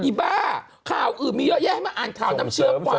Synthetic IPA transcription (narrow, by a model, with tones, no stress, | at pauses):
i˨˧˩baː˧˥˩ | kʰaː˨˩wʔɯː˨˩nmiː˧jɔ˦˥jɛ˥˨ha˥˩jmaː˧ʔaː˨˩nkʰaː˨˦na˧˥mt͡ɕʰɯ˦ɐ˧kwaː˨˧